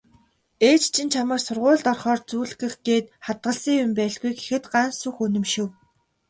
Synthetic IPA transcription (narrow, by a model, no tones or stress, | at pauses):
eːt͡ɕt͡ɕʰĭnt͡ɕʰamə̆rsʊrʁʊːɮt̪ɔrχɔːrt͡suːɮɣɘ̆xɡeːt̪χat̪̚ɢə̆ɮsiːŋjʊmpæːɮɣujke̥xɘ̆t̪ɢansuxɵnɵ̆mʃɪ̆w